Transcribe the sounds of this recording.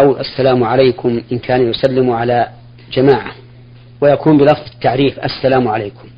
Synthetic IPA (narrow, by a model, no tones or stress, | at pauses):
awlʔasːalaːmʕalajkʊmʔɪnkʰaːnjʊsalːɪmʕalaː | d͡ʒamaːʕa | wajakuːnbɪlɑfðˤɪt̪ːaʕɾiːfʔa̰sːalaːmʕalajkʊm